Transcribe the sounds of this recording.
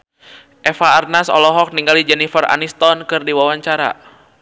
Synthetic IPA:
ʔɛfaːrnasɔ̰lɔɦɔk̚niŋɡalid͡ʒɛnifəra̰nist̪ɔnkɨrdiwawaɲt͡ʃaɾa̰

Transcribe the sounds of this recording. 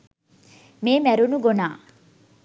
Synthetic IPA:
meːmɛɾunuɡonaː

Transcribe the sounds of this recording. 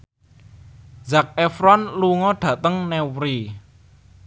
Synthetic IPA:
zak̚ɛfɾɔnluŋɔɖ̥ä̤t̪əŋnɛwɾi

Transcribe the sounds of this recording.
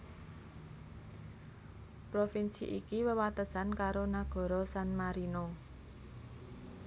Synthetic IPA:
pɾofinsḭʔikiwəwat̪əsankaɾonaɡ̥ɔ̤ɾɔsanmaɾino

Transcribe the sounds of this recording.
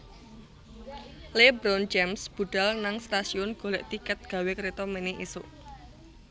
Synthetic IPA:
lebɾɔnd͡ʒɛmsb̥ṳɖ̥a̤lnaŋst̪asiʊnɡ̥o̤lɛʔt̪ikət̪̚ɡ̥a̤wekɾet̪ɔmeneʔisʊʔ

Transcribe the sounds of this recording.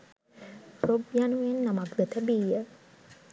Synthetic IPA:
probjanuenːamakd̪ət̪əbiːjə

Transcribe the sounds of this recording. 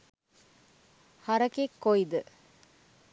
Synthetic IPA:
hɐɾɐkekːoid̪ə

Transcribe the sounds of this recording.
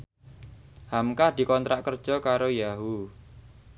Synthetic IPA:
hamkahd̪̥i̤kɔnt̪ɾaʔkərd̥ʒ̥ɔ̤kaɾojaɦu

